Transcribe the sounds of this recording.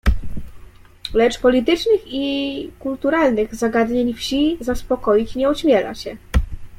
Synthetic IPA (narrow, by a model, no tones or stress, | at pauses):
lɛt͡ʂpɔlʲit̪ɘt͡ʂnɘxikult̪uɾalnɘɣzaɡad̪ɲeɲfɕizaspɔkɔjit͡ɕɲɛuɕmʲjɛla̰ɕɛ